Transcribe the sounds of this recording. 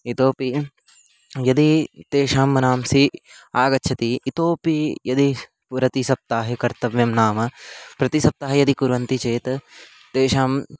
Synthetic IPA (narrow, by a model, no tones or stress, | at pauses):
it̪oːpi | jɐd̪it̪eːʃaːmːɐnaːmsiaːɡɐtːʃʰɐt̪iːt̪oːpijɐd̪i | pɾɐt̪isɐp̚t̪aːɦɐkɐɾt̪ɐʋjɐmnaːmɐpɾɐt̪isɐp̚t̪aːɦɐjɐd̪ikuɾʋɐnt̪it͡ʃeːt̪ | t̪eːʃaːm